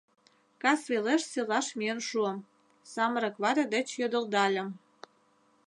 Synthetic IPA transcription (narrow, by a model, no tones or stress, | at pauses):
kɑsβeleʃselɑʃmiənʃuəm | sɑməɾə̆kβɑɾʲed̪ĕt͡ɕjød̪ə̆ld̪ɑlʲə̆m